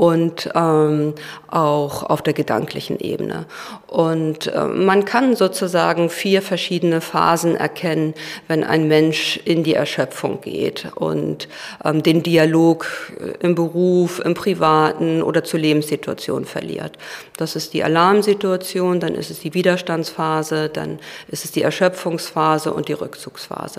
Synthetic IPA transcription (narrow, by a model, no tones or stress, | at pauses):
ʔʊntʔɛːmʔaʊxʔa̰ʊfd̥eːɐɡəda̰ŋklɪçn̩ʔḛːbənə̰ | ʔʊntʔɛ̰ːankʰanzoːt͡suza̰ːɡŋ̩fiːɐfɛɐʃiːdənəfa̰ːzn̩ʔɛ̰ɐkʰɛnənvɛnʔa̰ɪnmɛnʃʔɪndiːɛ̰ɐʃœfʊ̰ŋɡ̥ḛːtʔʊ̰nt | ʔɛːmdeːndialoːkʔɪmbəʁuːfʔɪ̰mpʁ̥ivaːtn̩ʔo̰ːdɐt͡suːɐleːbm̩sz̥itua̰t͡sjo̰ːnfɛɐlḭːɐtd̥asɪst̚d̥iːʔa̰laɐmzituat͡sjoːndanʔɪ̰stɛsd̥iːviːdɐʃtant͡sfaːzəd̥a̰nʔɪstɛ̥sd̥iːɛɐʃœp͡fʊŋsfaːzəʔʊ̰nt̚d̥iːʁʏkt͡suːksfa̰ːz̥ə